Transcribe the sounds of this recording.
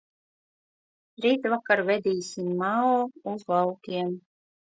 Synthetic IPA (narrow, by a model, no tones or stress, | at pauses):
ɾiːt̪vakaɾvɛd̪iːsʲimːaɔːuzvalkʲiɛm